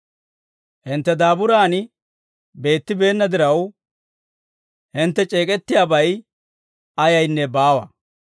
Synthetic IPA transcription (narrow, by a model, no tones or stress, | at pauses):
hɪnt̪ːɛd̪aːbʊɾaːnɪ | be̞ːt̪ːɪbe̞ːnːɐd̪ɪɾɐw | hɪnt̪ːɛt͡ʃʼe̞ːkʼɛt̪ːɪjaːbɐj | ɐjɐjnːɛbaːwɐ̰